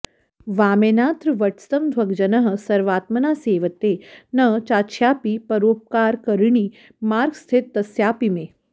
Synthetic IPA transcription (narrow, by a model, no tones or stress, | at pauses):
ʋaːmeːnaːt̪ɾɨʋɐʈʰst̪ɐmd̪ʱwɐɡd͡ʒɐnɐɦ̆sɐɾʋaːt̪mɐnaːseːʋət̪eːnɐt͡ʃaːt͡ʃʰjaːpipɐɾoːp̚kaːɾkəɾɳiː | maːɾɡst̪ʰet̪ːɐsjaːpimeː